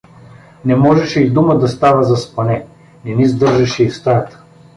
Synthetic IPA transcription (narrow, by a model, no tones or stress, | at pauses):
nɛmɔʒɛʃɛid̪uməd̪ɐst̪avəzɐspɐnɛ | nɛnizd̪ɤɾʒɐʃɛifst̪aɾt̪ə̥